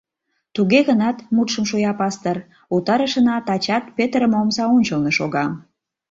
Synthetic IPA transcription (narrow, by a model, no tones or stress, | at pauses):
t̪uɣeɣənɑt̪mut̪ʃəmʃojɑpɑst̪ər | ut̪ɑɾəʃənɑt̪ɑt͡ɕɑt̪pet̪əɾəmomzɑonʲt͡ɕəlneʃoɣɑ